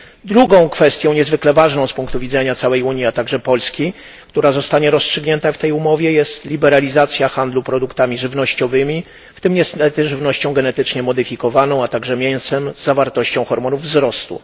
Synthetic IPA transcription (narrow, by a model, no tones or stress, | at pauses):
d̪ɾuɡɔ̃w̃kfɛst̪ʲjɔ̃w̃ɲɛzvɘklɛvaʐnɔ̃w̃spuŋkt̪uvʲid̪zɛɲat̪sawɛjuɲjiat̪aɡʐɛpɔlskʲi | k̚t̪uɾazɔst̪aɲɛɾɔstʂɘɡɲɛnt̪aft̪ɛjumɔvʲjɛjɛst̪lʲibɛɾalʲizat̪sʲjaxand̪lupɾɔd̪ukt̪amʲiʐɘvnɔɕt͡ɕɔvɘmʲi | ft̪ɘmɲɛst̪ɛt̪ʐɘvnɔɕt͡ɕɔ̃w̃ɡɛnɛt̪ɘt͡ʂɲɛmɔd̪ɘfʲikɔvanɔ̃w̃at̪aɡʐɛmʲjɛj̃sɛmzːavaɾt̪ɔɕt͡ɕɔ̃w̃xɔɾmɔnuvːzɾɔst̪ṵ